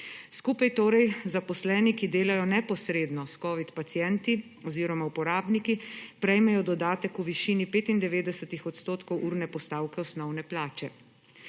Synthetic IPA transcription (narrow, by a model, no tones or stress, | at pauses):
skuːpajt̪oːɾɛjzapɔslɛːnikid̪eːlajɔnɛpɔsɾeːd̪nɔskɔːʋit̪pat̪sjɛnt̪i | ɔziːɾɔmaupɔɾaːbnikipɾɛjmɛjɔd̪ɔd̪aːt̪ɛkuʋiʃiːnipeːt̪ind̪ɛʋeːd̪ɛsət̪ixɔt̪st̪oːt̪kɔwʔuːɾnɛpɔst̪aːwkɛɔsnɔwnɛplaːt͡ʃɛ